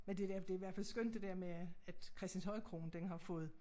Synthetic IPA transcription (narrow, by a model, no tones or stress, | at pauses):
mend̥edæɐd̥e̝ɐiʋæɐfæl̰sɡ̥øn̰d̥ːe̝d̥ɛɐ̰meæd̥kʰʁɛsd̥ænshɒ̽ɪkʰʁo̝ːnd̥enɦɑ̈fɔ̽ːð̩ˠ